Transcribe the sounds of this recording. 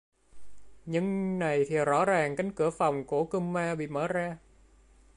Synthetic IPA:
ɲɨ˧ŋna˨˩jt̪ʰi˨˩zɔ̰˧˥zaː˨˩ŋka˨˦jŋ̟kɨ˧˩əfa˨˩wŋ͡mku˧˩əkɨ˧mmaː˧ɓḭ˧˨məː˧˦zaː˧

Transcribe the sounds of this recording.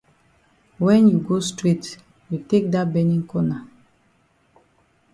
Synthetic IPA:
wɛ̃˦nju˨ɡo˦stɾi˦t | ju˨te˦k̚da˦tbɛ˦nĩ˦ŋkɔ˦na˨

